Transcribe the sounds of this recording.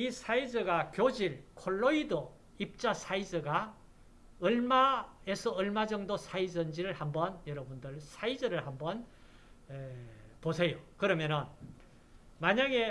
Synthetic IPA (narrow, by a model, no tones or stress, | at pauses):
isʰaid͡ʑʌɡakjod͡ʑiɭkʰoɭːoido | ip̚t͡ɕ͈asʰaid͡ʑɯɡa | ɯɭmaesʰʌɯɭmad͡ʑʌŋdosʰaid͡ʑʌnd͡ʑiɾɯɭhambʌnjʌɾʌbundɯɭsʰaid͡ʑɯɾɯɭɦambʌn | eposʰe̞jokɯɾʌmjʌnɯn | maɲaɡe̞